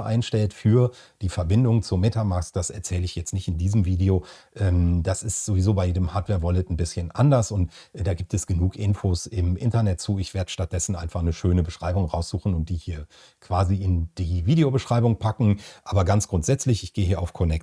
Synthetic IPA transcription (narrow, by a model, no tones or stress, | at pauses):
ʔa̰ɪnʃtɛltfyːɐd̥iːfɛɐbɪndʊŋt͡sumeːtʰamaɐkstd̥asɛ̰ɐt͡sɛːləɪçjɛt͡stnɪçtɪndiːzəmviːdeo | ʔɛːmd̥asɪstz̥ovizoːbaɪjeːdəmhaːtv̥ɛːɐvɔlɪtn̩bɪsçənʔa̰ndɐsʊntd̥aːɡiːp̚tɛsɡ̥ənuːkʰʔɪnfoːsɪmʔɪ̰ntɐnɛt̚t͡suːɪçv̥eːɐdəʃtat̚d̥ɛsn̩ʔa̰ɪnfaχnəʃøːnəbəʃʁ̥aɪbʊŋʁaʊsz̥uːxn̩ʊnt̚d̥iːhiːɐ | kʰv̥aːziɪnd̥iːviːdeobəʃʁ̥aɪbʊŋpʰakŋ̩ʔaːbɐɡant͡sɡ̥ʁʊntz̥ɛt͡slɪçɪçɡ̥eːəɦiːɐʔaʊfkʰɔnɛk̚t